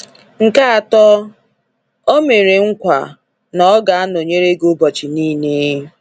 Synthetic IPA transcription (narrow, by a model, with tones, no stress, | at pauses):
ŋ̩˨ka˦a˨tɔ˦ | o˦me˨ɾe˨ŋ̩˦kʷa̰˨ | nɔ˨˦ɡa˨a˦no˨ɲe˦ɾe˦ɡo˦bɔ˨t͡ʃi˨niː˦ne˦